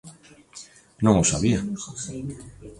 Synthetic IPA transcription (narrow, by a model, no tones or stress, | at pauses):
nõŋosa̰βia